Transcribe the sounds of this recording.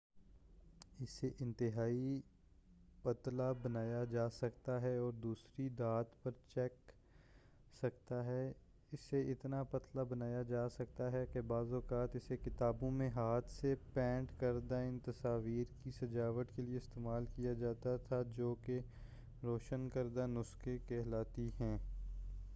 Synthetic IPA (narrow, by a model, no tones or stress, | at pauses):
ɪseʔɪ̃nt̪ɪɦaːi | pɐt̪labɐnaːjad͡ʒaːsɐkt̪aɦɛɔːɾd̪uːsɾid̪aːt̪pɐɾt͡ʃɛːk | sɐkt̪aɦɛ | ɪsːeɪt̪napɐt̪labɐnaːjad͡ʒaːsɐk̚t̪aɦɛkebaːzɔːkaːt̪ɪsekɪt̪aːbõmẽɦaːt̪ʰsepɛ̃ːɳʈkɐɾd̪aɪnt̪ɐsaːʋiːɾkisɐd͡ʒaːʋət̪kelieɪst̪eːmaːlkijad͡ʒaːt̪at̪ʰad͡ʒoːke | ɾoːʃənkɐɾd̪anʊskekɛɦlaːt̪iɦɛ̃ː